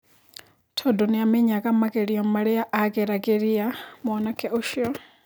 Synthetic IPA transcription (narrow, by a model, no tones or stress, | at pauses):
tʰɔdɔniamɛɲakʼamakʼeɺijɔmmaɺɛjaʔakʼɛɾakʼeɾiamɔnakʰɛʔɔʃiɔ